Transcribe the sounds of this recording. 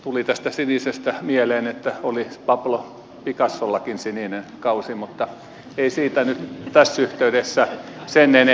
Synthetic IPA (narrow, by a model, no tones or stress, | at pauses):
t̪ulit̪æst̪æsinisest̪æmieleːnet̪ːæolipɑplo | pikɑsːolːɑkinsininenkɑusimut̪ːɑ | eisiːt̪ænyt̪t̪æsːyht̪eyɾesːæsenene